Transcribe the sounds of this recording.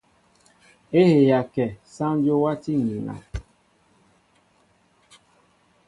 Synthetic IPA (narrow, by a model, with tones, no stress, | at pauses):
e˦he˨ja˨kɛ˨sã˦n˦d͡ʒo˦wa˦ti˦ŋ˨i˨ŋa̰˨